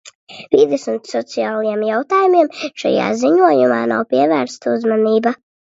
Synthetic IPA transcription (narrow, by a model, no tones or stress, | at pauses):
vid̪ɛsunsɔt̪siaːlˠijɛmjawt̪aːjumiɛmʃa̰ja̰ːziɲuɔjumaːna̰wpiɛvæːɾst̪uzmaniːba